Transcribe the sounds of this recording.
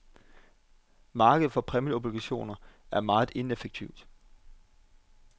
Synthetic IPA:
mɑ̈ːɡ̥əð̩ˠfɒ̽pʰʁɛmio̝b̥liɡ̥æɕo̝̰ːnɐæɐmɑ̈ːð̩ˠe̝nefeɡ̥̚t͡sʰiʊd̥

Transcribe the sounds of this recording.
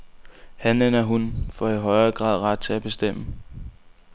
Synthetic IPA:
hænen̰ɐɦunfɒiɦɒ̽ɪɐːɡ̥ʁɑ̰̈ːð̰ˠʁɑ̈d̥̚t͡sʰe̝æb̥e̝sd̥em̰ə

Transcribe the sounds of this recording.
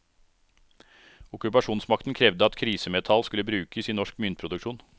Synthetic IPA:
ʊkʉpɑʂuːnsmɑkt̪n̩kʰɾɛʋd̪əɑt̪kʰɾiːsəmɛt̪ʰɑlskʉlːəbɾʉːkəsiːnɔʂkmʏnt̪̚pʰɾʊd̪ʉkʃuːn

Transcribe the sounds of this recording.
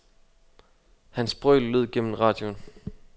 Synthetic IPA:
hænsb̥ʁœːllːøð̰ˠɡ̥en̰m̩ʁɑ̈ːd̥jon

